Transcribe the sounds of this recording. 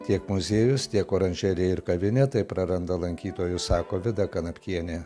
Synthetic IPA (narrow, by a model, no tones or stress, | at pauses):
t̪ʲiɛkmʊzʲeːjʊst̪ʲiɛkoːɾɐnʲʒʲɛɾʲɛɪɪɾkɐʋʲɪnʲɛt̪ɐɪpɾɐɾɐnd̪ɐlˠɐŋʲkʲiːt̪oːjʊsɑːkoːʋʲɪd̪ɐkɐnɐpʲkʲiɛnʲeː